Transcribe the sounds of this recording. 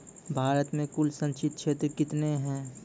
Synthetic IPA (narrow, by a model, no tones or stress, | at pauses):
bʱaːɾət̪mẽkʊlsə̃nt͡ʃɪt̪̚t͡ʃʰeːt̪ɾkɪt̪neɦɛ̃ː